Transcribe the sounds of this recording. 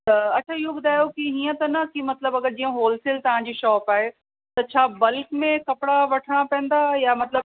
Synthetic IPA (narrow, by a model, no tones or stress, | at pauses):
ɐt͡ɕʰaɪɦobʊd̪ʱaːjokiɦiːə̃t̪ɐnɐkimɐt̪ləbɐɡəɾd͡ʑiːə̃ɦoːlsɪlt̪ɐʋ̤ãd͡ʑiːʃɔːpaːɦe | t̪ɐt͡ɕʰaːbɐlkmẽkɐpɪɽaʋɐʈʰəɽ̃ãpɛ̃ːə̃n̆d̪ajamɐt̪lə